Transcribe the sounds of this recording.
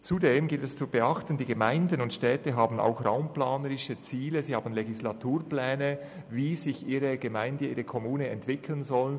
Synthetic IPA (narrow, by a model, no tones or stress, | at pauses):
t͡sudeːmɡɪltɛst͡subəʔɑxtən̩diːɡəmaɪndənʊntʃtɛːtəɦaːbn̩a̰ʊxra̰ʊmplaːnəɾɪʃət͡siːləziːhaːbn̩leɡislatuːrplɛːnə | viːzɪçʔiːɾəɡ̥əmaɪndəiːɾəkʰɔmuːnəɛntv̥ɪkʰlənzɔlən